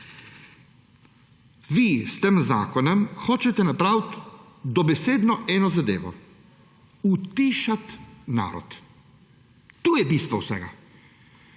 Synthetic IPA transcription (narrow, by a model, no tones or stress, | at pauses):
ʋist̪eːmza̰ːkɔnɛmxoːt͡ʃɛt̪ɛnapɾawt̪ | d̪ɔbɛseːd̪nɔʔɛːnɔzad̪eːʋɔ̰ | ut̪iːʃat̪na̰ːɾɔ̰t̪ | uːjɛbiːst̪ʋɔwsɛ̰ɡa̰